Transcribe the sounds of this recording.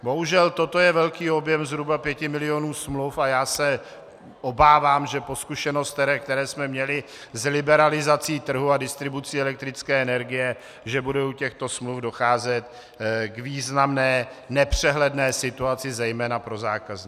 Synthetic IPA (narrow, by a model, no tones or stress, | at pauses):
bo̞ɦuʒɛlt̪o̞t̪o̞jɛvɛlkiːo̞bjɛmzɦɾubapjɛcɪmɪlɪo̞nuːsmlufajaːsɛ | ʔo̞baːvaːmʒɛpo̞skuʃɛno̞st̪ɛɾɛːkt̪ɛɾɛːsmɛmɲɛlɪ | zlɪbɛɾalɪzat͡siːt̪r̩ɦuadɪst̪ɾɪbut͡siːɛlɛk̚t̪ɾɪt͡skɛːɛnɛɾɡɪjɛ | ʒɛbudɛucɛxt̪o̞smlufdo̞xaːzɛt̪ | ɡviːznamnɛː | nɛpr̝̥ɛɦlɛdnɛːsɪt̪uat͡sɪzɛjmɛːnapɾo̞za̰ːkazɲi